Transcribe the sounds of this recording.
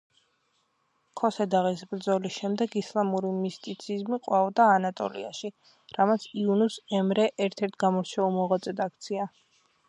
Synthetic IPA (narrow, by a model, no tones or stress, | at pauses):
kʰɔsɛd̪aʁisbɾd̪zɔlisʃɛmd̪ɛɡislˠamuɾimist̪ʼit̪sʰizmiqʼwavɔd̪aːnat̪ʼɔ̰lḭa̰ʃi | ɾamat̪sʰiunusɛmɾɛʔɛɾt̪ʰɛɾt̪ʰɡamɔɾt͡ʃʰɛulˠmɔʁwat̪sʼɛd̪ak̚ʰt̪sʰia